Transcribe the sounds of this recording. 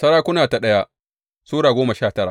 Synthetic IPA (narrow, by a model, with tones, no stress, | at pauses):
sɐ˦ɾaː˦kʷʊ˦naː˨ta˨ɗɐ˦ja˦ | suː˦ɽaː˨ɡʷoː˦ma˨ʃaː˦˨tɐ˦ɾa̰˨